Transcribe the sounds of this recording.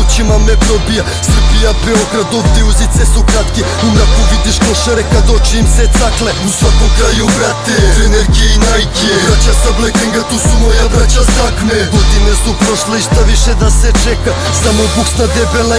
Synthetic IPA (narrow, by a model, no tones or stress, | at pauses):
ut͡ʃimamɛpɾɔbija | sr̩pijapɛɔkɾad̪ɔfd̪iuzit̪sɛsɔkɾat̪kʲi | umɾakovid̪iʃkɔʃaɾɛkad̪ɔt͡ʃiːmsɛt̪saklɛusak̪ɔkɾajubɾat̪ɛɛnɛɾɡiinajɡiɛɾat͡ʃasablɛk̪ɛŋɡat̪usumɔjavɾat͡ʃasakmɛɡod̪imɛsupɾɔʃlˠaiʃt̪aviʃɛd̪asɛt͡ʃɛka | samɔbuksnad̪ɛbɛlˠa